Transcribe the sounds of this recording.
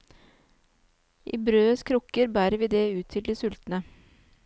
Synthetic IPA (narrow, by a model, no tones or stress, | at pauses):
ʔiːbɾøːəskʰɾʊkəɾbæːɾəɾʋiːd̪eːʉːt̪ʰɪld̪iːsʉlt̪n̩ə